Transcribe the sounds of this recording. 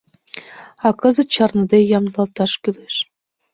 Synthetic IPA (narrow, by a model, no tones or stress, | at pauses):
ɑkəzə̆t̪̚t͡ɕɑrnɤ̆d̪ejɑmd̪lˠɑlt̪ɑʃkyleʃ